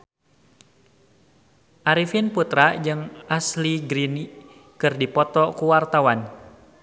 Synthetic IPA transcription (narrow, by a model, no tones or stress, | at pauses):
ʔaɾifinput̪ɾad͡ʒɨŋasliɡɾini | kɨrdipɔt̪ɔkuwart̪awan